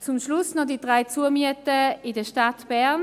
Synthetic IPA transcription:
t͡sʊmʃlʊsnɔdid̥ʁaɪt͡suəmyətəɪdəʃtatb̥ɛɐn

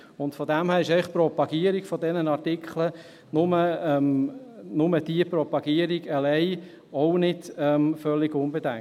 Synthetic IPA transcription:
ʊntfɔdæmhæːɾɪʃɛɪɪχpɾɔpɑɡ̥iəɾiɡ̥fɔdɛnənɑɾtɪkχlə | nʊməɛmnʊməd̥iəpɾɔpɑɡ̥iəɾiɡəlɛɪ | ɔʊnɪd̥ɛmfœlːɪɡʊnbedɛŋ

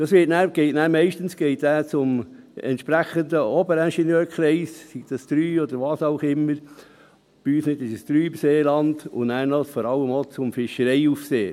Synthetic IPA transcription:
d̥ɑsʋɪtnæːɾɡ̥ɛɪtnæːɾmɛɪʃtənsɡ̥ɛɪtæːt͡sʊm | ɛ̰nt̪ʃpɾæχənd̪əɔbəɾɛnʃɛnjøːɾkʰχɾɛɪssiɡ̥̚dɑst̪ɾyːɔd̪əɾʋɑːsɑʊxɪmːəɾ | b̥iyːsnɪt̪ɪʃəst̪ɾyːmseːlɑnd̪ʊ̰næːɾnɔfɔɾɑlːəmoːt͡sʊmfɪʃəɾɛɪufseː

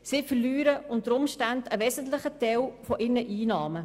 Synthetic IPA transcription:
sɪfərlyːɾəʊntəɾʊmʃtandəʋɛːsən̩tlɪχətɛwfɔʔɪrnəʔiːnɑːmə

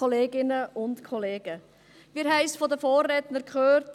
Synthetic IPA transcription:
ɔleːɡɪnəʔʊntkʰɔleːɡə | ʋiːɾɦɛɪsfɔdəfoːrːɛtnəɾkχøːɾt

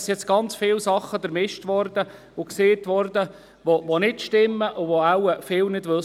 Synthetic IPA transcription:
sjɛt͡sɡ̥ɑnt͡sfɪlsɑχːəfəɾmɪʃtʋɔɾdə | ʊkseːt̪ʋɔɾd̪ə | ʋoʋonɪtʃtɪmːəʔʊʋoawəfɪlnɪdʋɵ

